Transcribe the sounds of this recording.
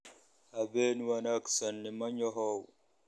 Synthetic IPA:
abenwanaksanːimaɲɔɦɔw

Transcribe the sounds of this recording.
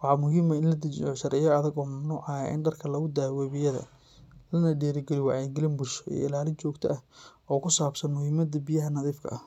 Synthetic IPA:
wɑħɑmʊɦiːmɐɪnlɐd̪ɐt͡ʃɪ̰jɔʃɐɾʔɛjɐɐðɐɡɔːmɐmnuːʕɑja̰ʔɪ̰nɖɐrkʰɐlɐɣʊd̪aːwɛːβɪjɐðɐ̰ | lɐnɐɖɛːɾɪɡɛlɪwɑʕɛjɡɪlɪnbʊʃɔɛ̰ːɪlaːlɪt͡ʃɔːɡt̪ʰɐ̰ʔɐhɔːkʰʊsaːbsɐnmʊhiːmɐd̪ɐbijɐɦɐnɐðiːfkʰɐ̰ʔɐ

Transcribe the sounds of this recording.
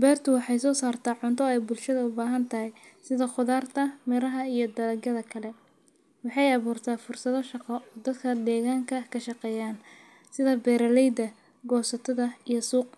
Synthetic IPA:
bɛːrt̪ʰʊwɑħɑjsɔːsaːrt̪ʰaːʕʊnt̪ʰɔɛjbʊlʃɐðɐʊbaːɦɐnt̪ʰɐhɛjsɪðɐχʊðaːrt̪ʰɐmɛɾɐɦɐijɞd̪ɐlɐɡɐðɐkʰɐlɛ | wɑħɑjɑβuːrt̪ʰaːfʊrsɐðɔʃɑqɔʔɔːd̪ɐd̪kʰɐd̪ɛːɣaːŋkʰɐkʰɐʃɑqɛːjaːn | sɪðɐbɛːɾɐlɛjd̪ɐ | ɡɔːsɐt̪ʰɐðɐijsuːq̚

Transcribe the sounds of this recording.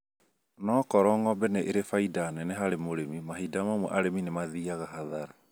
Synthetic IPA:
nɔkɔɾɔŋɡɔbɛneʔeɾefaidanɛneɦaɾemoɾemimaɦidamamwɛ̰ʔaɾeminemaðiaɣaɦaðaɾa

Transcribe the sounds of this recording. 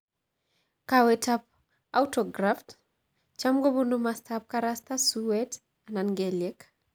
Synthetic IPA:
kawɛtʰap̚ | awtɔɡɾaft | t͡ʃamɡobunumastap̚kaɾast̪asuwɛt | ananɡɛlɛk

